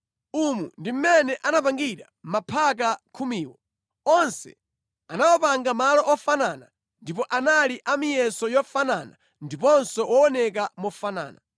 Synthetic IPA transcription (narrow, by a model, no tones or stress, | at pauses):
umundim̩mɛnɛʔanapaŋɡiɾa | m̩mapʰak̬akʰumiːwɔ | ɔnsɛ̰ | anawɔpaŋɡamalɔʔɔfanana | ndip̬ɔʔanaliʔamijɛsɔjɔfanaːna̰ | ndipɔnsɔwɔɔnɛk̬amɔfana̰ːna